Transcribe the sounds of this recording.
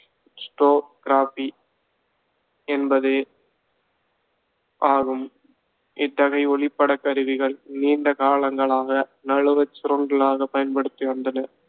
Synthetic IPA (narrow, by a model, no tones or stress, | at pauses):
sʈoːkɪɾaːpi | ɛnbɐðe | ʔaːɣɯm | ʔɪt̪ːɐɣɐɪɔɭɪpːɐɽɐkːɐɾɯʋɪɣɐɭniːɳɖɐkaːɭɐŋɡɐɭaːɣɐnɐɻɯʋɐt͡ʃːɪɾɔŋɡɐɭaːɣɐpɐjɐnpɐɽɯt̪ːɪʋɐnd̪ɐnɐ